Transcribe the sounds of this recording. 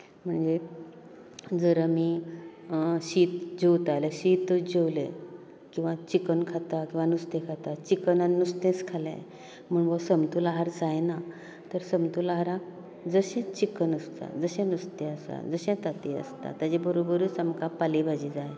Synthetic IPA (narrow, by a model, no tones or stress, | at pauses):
m̤əɳd͡ze | d͡zəɾəmiː | ɕiːt̪d͡ʑewt̪aleɕit̪d͡ʑewlḛ | kĩw̃ʋat͡ɕikənkʰat̪akĩw̃ʋanust̪ẽkʰat̪at͡ɕikənanust̪ẽt͡skʰalɛ̰̃ | m̤əɳbəsəmt̪ulaɦaɾd͡zajna | t̪əɾsəmt̪ulaɦaɾãk̚ | d͡zəɕɛ̃t͡ɕikənəst̪a̰d͡zəɕɛ̃nust̪ẽəsa̰d͡zəɕɛ̃t̪at̪iə̰st̪a̰t̪ad͡ʑebəɾobəɾuːt͡samkapalibʱad͡ʑid͡zaj